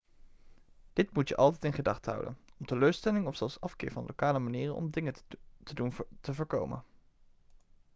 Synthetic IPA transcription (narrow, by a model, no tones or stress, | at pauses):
d̥ɪtmutjəʔɑlˠt̬ɛjtɪnχədɑχtəɦʌ̰wdə̰nɔmtəløːɹstɛlɪŋɔfsɛlˠsɑfkɪ̰ːɹvɑnlo̰wkaːləmaniːrənɔ̰mdɪŋətəduntəvəːɹkowmə̰n